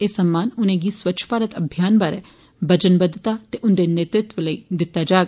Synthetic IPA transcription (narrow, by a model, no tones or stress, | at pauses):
eːsəmːaːnʊnẽːɡiːswətːʃʰə̥paːɾət̪əbʱjaːnbaːɾɛː | bəd͡ʒənbəd̪t̪aːt̪eːʔʊnd̪eːnet̪ɾɪt̪ʋələḭːd̪ɪt̪ːad͡ʒaːɡ